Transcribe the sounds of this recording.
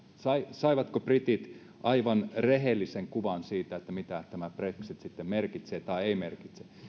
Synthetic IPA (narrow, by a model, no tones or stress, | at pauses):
sɑisɑiʋɑt̪koprit̪it̪ | ʔɑiʋɑnreɦelːiseŋkuʋɑnsiːt̪æet̪ːæmit̪æt̪æmæpreksit̪sit̪ːemmerkit̪seːt̪ɑieimerkit̪se